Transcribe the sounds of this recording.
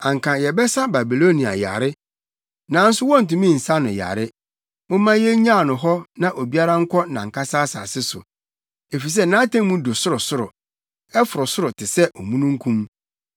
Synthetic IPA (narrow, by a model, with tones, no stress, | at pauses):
ã˨ŋ˨kʰã˨jɛ˨bɛ˦sa˦ba˨bi˨lo˦nĩ˨a̰˨ja̰˨ɾɪ˦ | nã˨˦n̩˦sʊ˦wɔ̃˦n̩˨tũ˨mĩ˦˨n̩˨sa˦nʊ̃˨ja̰˨ɾɪ˦ | mʊ̃˦mã˦jɛ˦ɲã˦˨nʊ̃˨ɦɔ˦nã˦ʔo˨bi˦a˦ɾã˦ŋ̩˦kʷʰɔ˦˨nã˨ŋ̩˨kʰa˦saː˦sa̰ː˨sɪ˦sʊ̰˨ | e˨fi˨s̬ɛ˦nã˦tʰã˦ŋ˦mũ˦do˨sʊ˦ɾʊ˨sʊ˦ɾʊ̰˨ | ɛ˦fʊ˨ɾʊ˨sʊ˦ɾʊ˨tʰɪ˨sɛ˦ʔɔ˨mũ˦nũ˦ŋ˦kʰũ˦m